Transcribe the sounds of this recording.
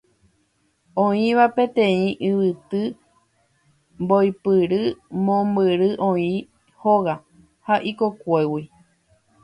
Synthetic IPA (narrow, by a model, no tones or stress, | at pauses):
õĩʋapẽ̞t̪ẽĩʔɨʋɨt̪ɨ | mbojpɨɾɨmõmbɨɾɨʔõĩ | hoɣa | haʔiko̞kʷewi